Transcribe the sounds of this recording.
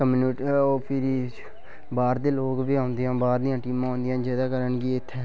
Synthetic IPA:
kəmːniʈopʰɪɾi | baːɾd̪eːloːkbiːãːʊnd̪ejãːbaːɾd̪ijãːʈiːmãːõːnd̪ɪjãːd͡ʒɛːd̪aːkəɾəɳɡiːɪt̪ʰːɛ̃ː

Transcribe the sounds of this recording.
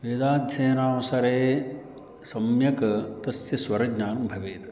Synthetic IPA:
ʋeːd̪aːd̪ʱjɐjɐnaːnusɐɾeː | sɐmjɐkɐt̪ɐsjɐsʋɐɾɐɡɲaːnɐmbʱɐʋeːt̪ɐ

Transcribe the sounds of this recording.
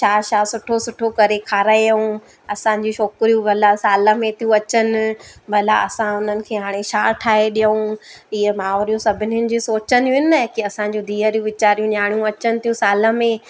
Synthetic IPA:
ʃaːʃaːsʊʈʰosʊʈʰokɐɾekʰaːɾaːeũ | ɐsã̆d͡ʑũʃɔːkɾijũbʱɐlasaːlə̆mẽt̪ʰijũɐt͡ɕənɪ̆bʱɐla̰ɐ̰sãʊn̤ənɪ̆kʰeːɦaːɽ̃eʃaːʈʰaːɦeɗijəũɪɦemaːoːɾijũsɐbʱɪnɪjənɪ̆d͡ʑiːsoːt͡ɕənɪɪnɪnɐɦkiɐsãɲd͡ʑũd̪ʱiːəɾijũʋɪt͡ɕaːɾijũɲaːɽ̃jũɐt͡ɕənɪ̆t̪ʰijũsaːlə̆mẽ

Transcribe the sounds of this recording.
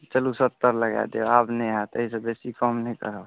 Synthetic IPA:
t͡ʃəlusət̪ːəɾləɡa̰d̪eabnəɦat̪əɦisebesikəmnəĩkə̰ɾəb

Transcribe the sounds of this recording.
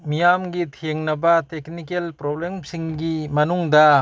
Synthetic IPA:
mijamɡitʰeŋnɐbɐteknikelpɾoblemsiŋɡimɐnuŋdɐ

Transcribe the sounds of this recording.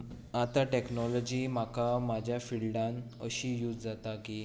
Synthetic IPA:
at̪aʈeknɔlɔd͡ʑiːm̤akamad͡ʑʱjafiɭɖãnəɕijut̪d͡zat̪akiː

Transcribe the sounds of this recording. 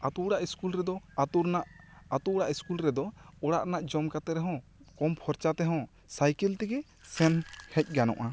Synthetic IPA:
at̪uɽaʔiskulɾɛd̪ɔat̪uɾnaʔat̪uɽaʔiskulɾɛd̪ɔɔɽaʔnaʔd͡ʒɔmkat̪ɛɾɛɦɔ̃kɔmpʰɔɾt͡ʃat̪ɛɦɔ̃ | sajkɛlt̪ɛɡɛ | sɛnhɛc̚ˀɡanɔ̰̃ʔa

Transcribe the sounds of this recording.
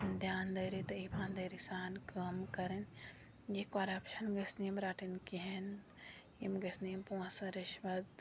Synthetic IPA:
d̪ʱjaːnd̪ɐjɾit̪ɐipʰãːnd̪ɐjɾisaːnkɐmkɐɾen | jekoɾɐpʃɐnɡɐsnimɾaːʈinkiɦen | imɡɐsnimpũãsɐ̃ɾɪʃʋɐd̪

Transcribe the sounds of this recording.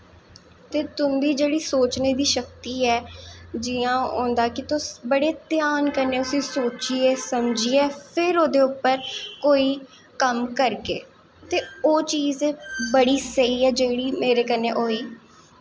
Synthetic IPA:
t̪eːt̪ʊmd̪iːd͡ʒeːɽiːsoːt͡ʃneːd̪iːʃək̚t̪iːɛːd͡ʒɪãːõ̰ːnd̪aːkɪt̪ʊbəɽeːt̪ɪjaːnkəɾneːʊsĩːsoːt͡ʃiːeːsəmd͡ʒieːpʰɪɾoːd̪eːʊpːəɾkoːiː | kəmkəɾkeː | t̪eːoːt͡ʃiːzẽːbəɽiːsəiːɛːd͡ʒeːɽiːmeːɾeːkəneːʔoːiː

